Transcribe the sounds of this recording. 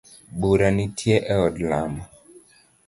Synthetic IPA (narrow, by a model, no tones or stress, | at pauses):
ɓuɾanitʰjɛʔɛɔdlama